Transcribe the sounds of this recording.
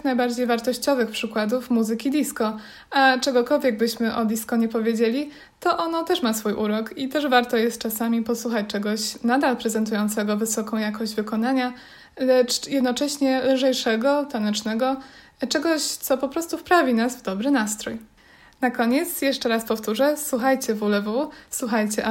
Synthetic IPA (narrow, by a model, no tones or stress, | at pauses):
najbaɾd͡ʑejvaɾt̪ɔɕt͡ɕɔvɘxpʂɘkwad̪ufmuzɘkʲid̪ʲiskɔ | at͡ʂɛɡɔkɔlvʲjɛɡ̚bɘɕmɘʔɔd̪ʲiskɔɲɛpɔvʲjed͡ʑelʲi | t̪ɔʔɔnɔt̪ɛʂmasfujʔuɾɔkit̪ɛʐvaɾt̪ɔjɛst̪̚t͡ʂasamʲipɔswuxat͡ɕt͡ʂɛɡɔɕnad̪alpɾɛzɛnt̪̬ujɔnt̪sɛɡɔvɘsɔkɔ̃w̃jakɔɕd͡ʑvɘkɔnaɲa | lɛt͡ʂjɛd̪nɔt͡ʂɛɕɲɛlɘʐɛjʂɛɡɔt̪anɛt͡ʂnɛɡɔ | t͡ʂɛɡɔɕt̪sɔpɔpɾɔst̪ufpɾavʲinazvd̪ɔbɾɘnast̪ɾuj | nakɔɲɛt̪sjɛʂt͡ʂɛɾaspɔft̪uʐɛswuxajt͡ɕɛvulɛvuswuxajt͡ɕɛ